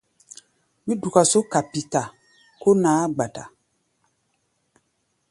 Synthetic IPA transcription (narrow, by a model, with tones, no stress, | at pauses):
mĩ˦du˨ka˨so˦ka˨pi˨ta˨ | ko˦naː˨˦ɡ͡ba˨ta˨